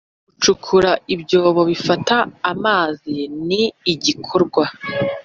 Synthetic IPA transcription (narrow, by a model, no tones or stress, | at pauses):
ɡut͡ʃukʰuɾaibɟo̞ːβo̞βifataːmaːziniːɟikʰoɾɡwa